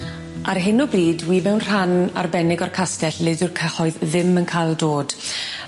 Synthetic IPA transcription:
ʔarɦɪnɔbriːdwiːmɛwnr̥ana̰rbɛnɪɡɔrkʰastɛɬlɪdɪrkʰəhɔɨððɪmənkʰajlˠdoːd̥

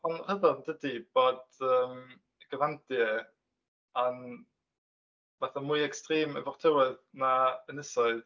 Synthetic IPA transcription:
anχəðəndədib̥ɔdəːm | ɡ̥əvant̚d̥iə | an | vaːθamujɛkstreːmə̰vɔʁtʰəwəðnaənəsɔɨ

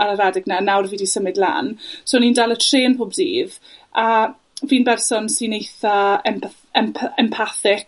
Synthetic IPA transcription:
aɾəɾadɪɡnanawrviːdisəmɪdla̰ːnsoːniːndalˠətʰreːnpʰoːbdḭːv | a | viːnbɛrsɔnsinejθaɛm | ɛmpʰɛmpʰaθɪk

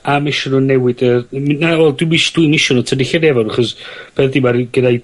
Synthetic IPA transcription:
amɪʃɔnɔnɛwɪdənawɛlˠdwmiʃd̥winɪʃɔnɔtʰədiɬadɛvɔɾˠaχɔsb̥ɛdimaɾɡəda

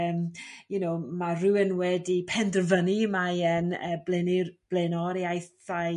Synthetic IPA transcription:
mjunomarɪwɪnwɛdipʰɛndərvənimaənəːblɪnirb̥leːnɔɾiajθa

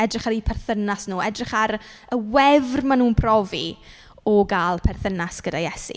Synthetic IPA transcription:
ɛdrɪχaɾipʰɛrθənasnuːɛdrɪχaɾ | əwɛvrmanuːnpʰrɔvi | ɔɡaːlˠpʰɛrθənasɡ̥ədajɛsḭ

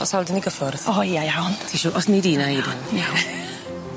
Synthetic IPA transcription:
ɔsawlˠdɪniɡəfɔrðɔjajawntʰiʃuːʔɔsnidiːnaidɪna

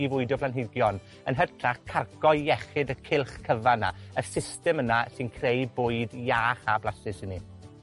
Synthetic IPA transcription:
ivʊɨdjɔpʰlˠanɦɪɡjɔn | ənɦərtʰraχkʰarɡɔɨjɛχɪdəkʰɪlˠχkʰəvana̰əsɪstɛmənasɪnkʰrejbʊːɨdjaːχablˠasɪsɪni

